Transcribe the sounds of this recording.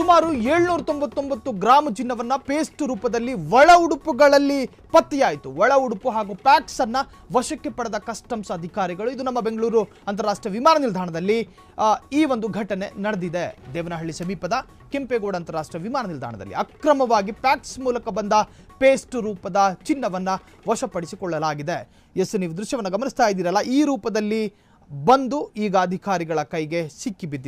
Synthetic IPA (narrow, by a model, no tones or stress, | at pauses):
sumaːɾueːɭnuːɾɐt̪o̞mbɐt̪ːombɐt̪ːuɡɾaːmɐd͡ʒinːɐʋɐnːɐpeːsʈɾuːpɐd̪ɐlːiʋɔɭɐuɽupuɡɐɭɐlːi | pɐt̪ːijaːjt̪uʋɔɭɐuɽupuɦaːɡuːpaːksɐnːɐ | ʋɐʃɐkːepɐɽɐd̪ɐkɐsʈɐmsɐd̪ʱikaːɾiɡɐɭuid̪unɐmːɐbeŋɡɐɭuːɾu | ɐnt̪ɐɾaːʂʈɾɐʋimaːnɐnild̪ʱaːɐɳɐd̪ɐlːi | iːʋond̪uɡʱɐʈɐne̞nɐɽed̪id̪ed̪ɛːʋɐnɐɦɐɭːisɐmiːpɐd̪ɐ | kempeɡoːɽɐnt̪ɐɾaːʂʈɾɐʋimaːnɐnild̪ʱa̰ːɳɐ̰d̪ɐ̰lːḭɐkɾɐmɐʋaːɡipaːksmuːlɐkɐbɐnd̪ɐ | peːsʈɾuːpɐd̪ɐt͡ʃinːɐʋɐnːɐ | ʋɐʃɐpɐɽisikɔɭːɐlaːɡid̪e̞ | jesuniːʋud̪ɾuʃjɐʋɐnːɐɡɐmɐnist̪aːjid̪iːɾɐlːɐiːɾuːpɐd̪ɐlːi | bɐnd̪uiːɡɐːd̪ʱikaːɾiɡɐɭɐkɐjɡe̞sikːibid̪ː